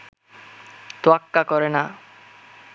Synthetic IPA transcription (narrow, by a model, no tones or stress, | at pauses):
t̪wakːakɔɾena